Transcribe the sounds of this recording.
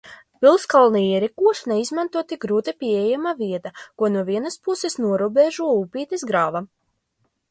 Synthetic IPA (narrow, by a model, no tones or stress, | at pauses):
pʲilˠskalˠniiɛɾikuɔʃnɛizmant̪uɔt̪ik̚ɡɾuːt̪ɐpʲiɛejamaviɛt̪akuɔnuɔviɛnaspusesnuɔɾubeʒuɔuːpiːt̪izɡɾaːva